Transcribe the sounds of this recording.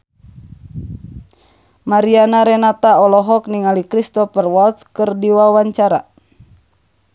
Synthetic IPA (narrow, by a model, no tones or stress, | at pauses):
maɾianaɾɛnat̪aɔlɔɦɔkniŋalikɾist̪ɔpɛrwɔlt̪skɨrdiwawaɲt͡ʃaɾa̰